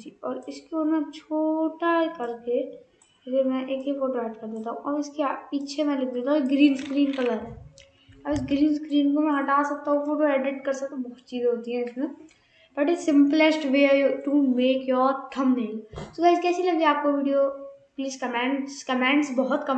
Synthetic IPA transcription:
d͡ʒiɔːɾɪskeomẽt͡ʃʰoːʈaekɐɾke | d͡ʒemɛ̃ʔeːkɦifoːʈoɛːʈkɐɾd̪eːt̪aɦũʔɔːɾɪskepiːt͡ʃʰemɛ̃lɪk̚ʰd̪eːt̪aɦũɡɾiːnskɾiːnkɐɡaɾɛ | ɐbɪsɡɾiːnskɾiːnkomɛ̃ɦɐʈaːsɐk̚t̪aɦũfoːʈoɛːɖɪʈkɐɾsɐkt̪ãbɐɦʊt͡ʃiːzɦoːt̪iɦɛ̃ɪsmẽ | b̥ɐʈɪsɪ̃mplesʈʋeːjʈumeːkjɔːɾʈʰɐmnɐɦĩŋsod̪askɛːsilɐɡeaːp̚koʋiːɖijopliːskɐmɛ̃ːɳɖskɐmɛ̃ːɳɖsbɔɦʊt̪kɐm

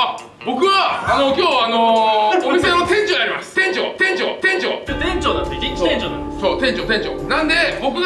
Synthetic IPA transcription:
bo̞kɯ̟βaːno̞kʲoːanoomisenot̪ẽ̞ɲt͡ɕoɲiaɾimasɨ̥t̪ẽ̞ɲt͡ɕo̰t̪ẽ̞ɲt͡ɕo̰t̪ẽ̞ɲt͡ɕo̰t̪ẽɲt͡ɕonãnd̪eoẽɲt͡ɕona̰nd̪ssoːt̪ẽ̞ɲt͡ɕot̪ẽ̞ɲt͡ɕo̰nãnd̪e̞bo̞kɯ̟

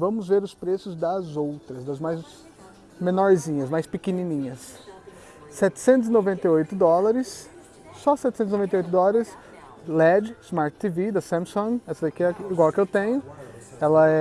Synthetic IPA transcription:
vɐ̃mʊzveɾʊspɾesʊzd̪ɐzowt̪ɾɐzd̪ɐzmajz | mẽnɔɾzĩɲɐzmajspɪkenĩnĩɲɐsː | ɛt͡ʃ̪ɪ̥sẽnt̪ʊzinovẽnt̪eojt̪ʊd̪ɔlɐɾɪsː | ɔsɛt̪ɪsẽt̪ʊzinovẽnejojt̪ʊd̪ɔlaɾɐɾɪs | lɛd͡ʒɪzmaɾt͡ʃt̪ivid̪ɐsɐ̃msõŋɡɛsɐikɪɛiɡwawkɪewt̪ẽɲʊɛlɐɛ

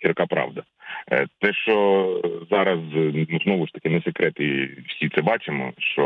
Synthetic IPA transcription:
t͡ʃʲiɾkɑpɾɑ̰ʋd̪ɐ | t̪ɛʃt͡ʃɔzɑɾɐznuznɔʋʊʃt̪ɐ̥kɪnɛsekɾɛt̪ɪwsʲit̪sɛbɑt͡ʃemɔ̰ʃt͡ʃɔ

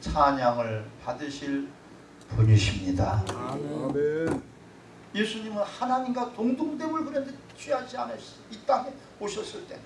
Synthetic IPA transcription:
t͡ɕʰaɲaŋɯɭpadɯɕʰiɭ | puɲuɕʰimɲida | jesʰuɲimɯnhanaɲimɡwatoŋdoŋdemɯɭɡɯɾʌnde | t͡ɕʰwiɦad͡ʑianɯ | it͈aŋe | oɕʰʌs͈ɯɭt͈e̞

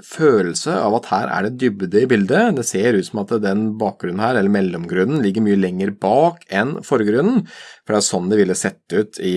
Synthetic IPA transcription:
føːll̩səɑ̰ʋɑt̪hæːɾʔæ̰ɖɛd̪ʏbd̪əɪbɪld̪əd̪ɛseːɾʉːt̪sɔmɑt̪d̪ɛnbɑːk̚ɡɾʉnn̩hæːɾɛlːəɾmɛlːɔmɡɾʉnːn̩lɪɡːəɾmyːəlɛŋːəɾbɑːkʰɛnfɔɾɡɾʉnn̩fɔɖɛæʂɔnːd̪ɛʋɪlːəsɛt̪ːəʉːt̪ʰɪ

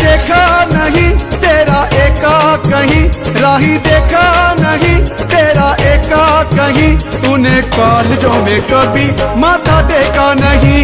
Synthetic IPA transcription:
d̪eːkʰaːnəɦĩːt̪eːɾaːʔeːkaːkəɦĩːɾaːɦĩːd̪eːkʰaːnəɦĩːt̪eːɾaːʔeːkaːkəɦĩt̪ʊnẽːkaːld͡ʒoːmẽːkəbiːmãːt̪ʰaːd̪eːkʰaːnəɦĩː

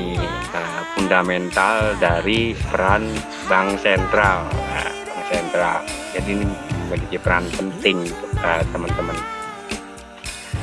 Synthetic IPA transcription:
əfundamɛnt̪aldaɾipəɾan | baŋsɛnt̪ɾalja̰baŋsɛnt̪ɾald͡ʒadiniəməd͡ʒiɡipəɾanpənt̪ɪŋsəpat̪əmənt̪əmən

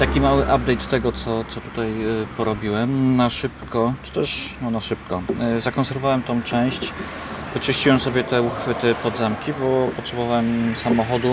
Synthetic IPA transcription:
t̪akʲimawɘʔab̚d̪ɛjt̪ːɛɡɔt̪sɔt̪sɔt̪u̥t̪ajpɔɾɔbʲiwɛmnaʂɘpkʰɔt͡ʂɨ̥t̪ɛʂnɔnaʂɘp̚kɔzakɔnsɛɾvɔvawɛmt̪ɔ̃w̃t͡ʂɛ̃w̃ɕt͡ɕ | vɘt͡ʂɘɕt͡ɕiwɛmsɔbʲjɛt̪ɛuxfɘt̪ɘpɔd̪zamkʲibɔpɔtʂɛbɔvawɛmsamɔxɔd̪u

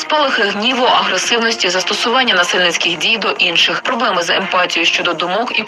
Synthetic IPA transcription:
spɔlˠɪxɪɦnʲiʋɔɐɦɾesɪwnɔsʲtʲizɐst̪ɔsʊʋɑnʲːɐnɐsɪlʲnɪt͡sʲkɪxdʲijd̪ɔʔinʃɪxpɾɔblˠɛmɪzɐempɑtʲijʊʃt͡ʃɔd̪ɔd̪ʊmɔki

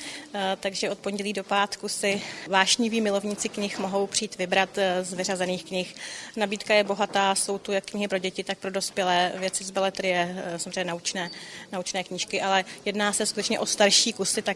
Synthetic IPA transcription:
t̪aɡʒɛʔo̞t̪̚po̞nɟɛliːdo̞paːt̪kusɪvaːʃɲɪviːmɪlovɲɪt͡sɪkɲɪxmo̞ɦo̞wpr̝̥iːt̪vɪbɾat̪zvɪrazɛniːxkɲɪxnabiːt̪kajɛbo̞ɦat̪aːso̞wt̪ujakːɲɪɦɪpɾo̞ɟɛcɪt̪ak̚pɾodo̞spjɛlɛːvjɛt͡sɪzbɛlɛt̪ɾɪjɛsamozreɛɲɛnaut͡ʃnɛːnaut͡ʃnɛːkɲɪʃkɪʔalɛjɛdnaːsɛskut̪ɛt͡ʃɲɛʔo̞st̪aɾʃiːkusɪt̪a

